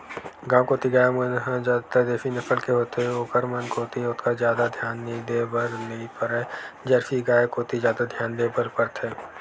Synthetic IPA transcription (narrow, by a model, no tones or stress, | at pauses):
ɡãːkoːt̪iɡaːjemənɦd͡ʒaːt̪ad̪eːfinɐfʰəlkeɦoːt̪eɦɛoːkəɾmənkoːt̪iʊt̪kazjaːd̪ad̪ʱjaːnːĩd̪eːbəɾnɐĩpəɾɛd͡ʒəɾfiɡaːekoːt̪izjaːd̪ad̪ʱjaːnd̪eːbəɾpəɾt̪ɛː